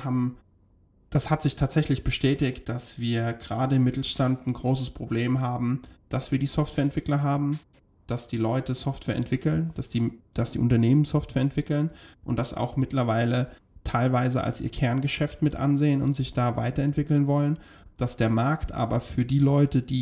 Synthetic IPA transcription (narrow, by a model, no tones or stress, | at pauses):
haːbm̩ | d̥ashatz̥ɪçtʰaːtz̥ɛçlɪçb̥əʃtɛːtɪçt̚d̥asv̥iːɐɡ̥əʁaːdəɪmːɪtl̩ʃtantn̩ɡʁoːsəspʁ̥obleːmɦaːbm̩d̥asv̥iːɐdiːsɔftv̥ɛːɐɛntv̥ɪklɐɦaːbm̩ | d̥asd̥iːlɔʏtəsɔftv̥ɛːɐʔɛ̰ntv̥ɪkl̩nd̥asd̥iːd̥asd̥ḭːʔʊntɐneːmənsɔftv̥ɛːɐɛntv̥ɪkl̩nʔʊnt̚d̥asa̰ʊxmɪtlɐvaɪlə | tʰaɪlvaɪzəʔa̰lsʔḭːɐkʰɛɐnɡəʃɛftmɪtʔa̰nzeːənʊ̰ntz̥ɪçd̥aːva̰ɪtɐɛntv̥ɪkl̩nvɔlən | d̥asd̥eːɐmaɐktʔa̰ːbɐfyːɐdiːlɔʏtəd̥iː